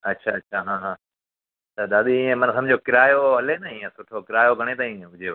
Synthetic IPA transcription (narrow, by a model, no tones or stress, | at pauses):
ɐtːʃʰaɐtːʃʰaɦãːɦãː | t̪ɐd̪aːɗ̪iɪ̃ẽmɐnsɐmbd͡ʑʱokɪɾaːjoɦɐlenɐɪ̃ːẽsʊʈʰokɪɾaːjoɡʱɐɽ̃et̪aːĩʊd͡ʑeʋ